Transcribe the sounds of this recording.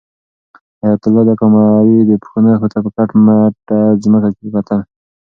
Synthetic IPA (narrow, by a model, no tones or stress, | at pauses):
ajat̪ulːɔd̪akɔmaɾid̪əpxunəxut̪apəkaʈmaʈazmakakikat̪an